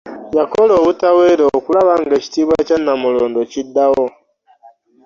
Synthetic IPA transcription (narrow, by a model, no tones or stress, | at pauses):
jakoloːβutaweɾeokulaβaŋɡeci̥tiːβwacanːamuloːndocidːawo